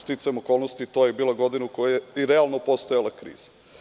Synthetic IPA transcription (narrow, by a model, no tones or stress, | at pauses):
t̪it̪samoko̞ːlˠnost̪it̪ojebiːlaɡo̞d̪inukojjeiɾealˠnopo̞st̪ojalˠakɾḭːz̥ḁ